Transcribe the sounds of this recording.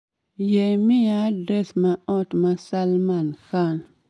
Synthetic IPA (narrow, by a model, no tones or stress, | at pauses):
jemijadɾesmaɔtmasalmanxan